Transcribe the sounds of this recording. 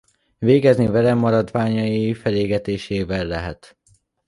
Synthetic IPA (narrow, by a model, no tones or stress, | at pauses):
veːɡɛznivɛlɛmːɒɾɒd̪vaːɲɒjifɛleːɡɛt̪eːʃeːvɛlːɛɦɛt̪